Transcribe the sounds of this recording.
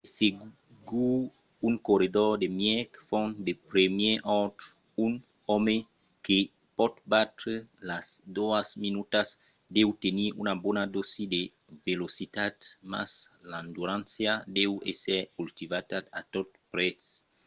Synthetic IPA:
se | ɡu | uŋkoɾid̪ɔɾd̪emjɛkfɔ̃nd̪epɾemjɛʔɔt̪ | un | ɔme | ke | pɔd̪bat̪ɾelasd̪oasminut̪as | d̪ewt̪eniunabɔnad̪osid̪e | velosit̪at̪ma̰sland̪uɾãnsjad̪ewḛsɛɾkult̪ivat̪aat̪ot̪pɾɛts

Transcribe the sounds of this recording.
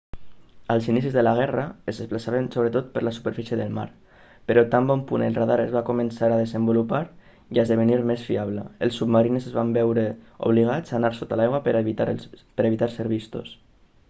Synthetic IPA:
əlˠzinisizðəlaɣ̞ɛrəəzðesplasaβənsoβɾət̪ot̪̚pəɾləsu̥pəɾfisjəðəlˠma̰ɾ | pəɾɔt̪ambɔmpunəlˠraðaɾəzβakumənsaɾaðezəmbulupaɾ | iəzðəβ̞əniɾmesfiaβləəlˠsubmaɾinezəzβambɛwɾəṵβ̞liɣ̞ad͡zanaɾsot̪alajɣwa | pəɾeβit̪aɾseɾβist̪o̰s

